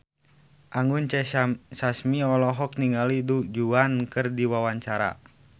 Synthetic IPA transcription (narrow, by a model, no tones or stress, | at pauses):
ʔaŋunt͡ʃɛsasmiɔlɔɦɔk̚niŋɡalidud͡ʒuankɨrdiwawaɲt͡ʃaɾa̰